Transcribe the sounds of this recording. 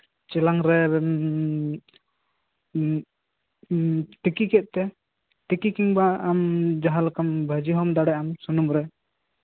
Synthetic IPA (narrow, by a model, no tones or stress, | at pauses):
t͡ʃɛlaŋɾɛ | t̪ikikɛt̪̚ˀt̪ɛ | t̪ikikiŋbaːmd͡ʒaɦalkambʱad͡ʒiɦɔmd̪aɽɛʔamsunumɾɛ